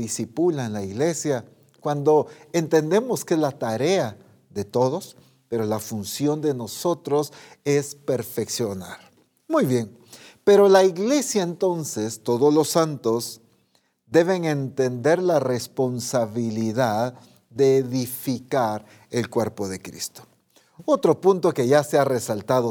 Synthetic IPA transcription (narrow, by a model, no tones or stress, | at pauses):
isipulaenlaiɣle̞sja | kwand̪o̞e̞nt̪e̞nd̪e̞mo̞skeezlat̪aɾe̞a | ðe̞t̪o̞ðo̞s | pe̞ɾo̞lafunsjo̞nd̪e̞no̞so̞t̪ɾo̞se̞spe̞ɾfe̞ksjo̞naɾ | mujβje̞ŋ | pe̞ɾo̞laiɣle̞sjaent̪o̞nsest̪o̞ðo̞zlo̞sːant̪o̞z | d̪e̞βe̞ŋe̞nt̪e̞nd̪e̞ɾlare̞spo̞nsaβiliðað | d̪e̞ːðifikaɾ | e̞lkwe̞ɾpo̞ðe̞kɾḭst̪o̥ | ot̪ɾo̞punt̪o̞ke̞ʝaseare̞salt̪aðo